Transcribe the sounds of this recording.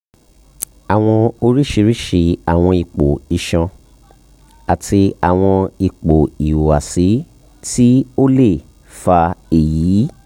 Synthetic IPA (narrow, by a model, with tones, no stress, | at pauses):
a˨w̃ɔ̃˧o˧ɾi˦ʃi˧ɾi˦ʃi˧a˨w̃ɔ̃˧i˧k͡po˨i˨ʃã˧ | a˨tʰi˧a˨w̃ɔ̃˧i˨˧k͡po˨i˨wa˨si˨˦ | ti˦o˦le˦˨ | fa˧e˨jiː˨˦